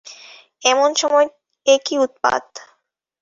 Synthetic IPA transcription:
ɛmonʃɔmɔe | ekiut̪̚pa̰d̪

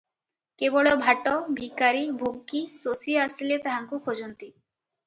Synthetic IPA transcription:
kebɔɭɔbʱaʈɔbʱikaɾibʱoɡːisosiasilet̪aɦaŋkukʰod͡ʒɔnt̪i

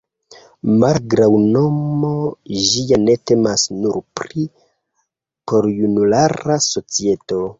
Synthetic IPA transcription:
malɡɾawno̞mo̞ʒijane̞te̞masnuɾpɾi | po̞ɾjunulaɾaso̞t͡sie̞to̞

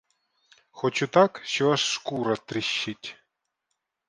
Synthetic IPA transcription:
xɔt͡ɕut̪akʃɔaʂːkuɾɐt̪ɾɪɕːɪtʲ

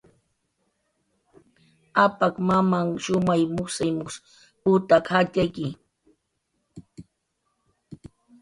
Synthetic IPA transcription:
apakmamaŋʃʊmajmʊsajmʊs | pʊt̪akhat͡ʃajkɪ

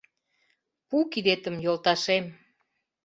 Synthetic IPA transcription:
pukid̪et̪əmjolt̪ɑʃem

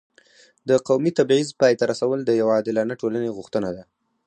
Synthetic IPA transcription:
d̪əqawmit̪abʕizpɑjt̪aɾasawəld̪əjawɑd̪ɪlɑnaʈolaneɣʊxt̪ənad̪a

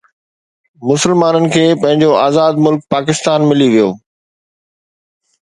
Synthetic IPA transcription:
mʊsəlmaːnənɪ̆kʰeːpɐ̃ɦɪ̃ɲd͡ʑoaːzaːd̪mʊlk̚paːkɪst̪aːnmɪliʋijo̰ː

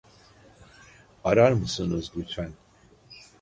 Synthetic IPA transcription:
aɾaɾmɨsɨnɨzɡyt͡sʰæn

